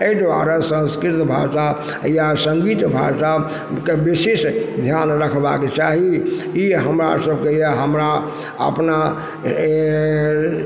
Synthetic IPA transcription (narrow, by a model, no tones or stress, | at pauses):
eid̪ʋa̰ɾasə̃nskɾit̪bʱa̰sa | jasəŋɡit̪bʱa̰sa | kebisesd̪ʱjanɾəkʰba̰ket͡ʃaɦiiɦəmɾa̰səbkejeɦəmɾa | ə̰pna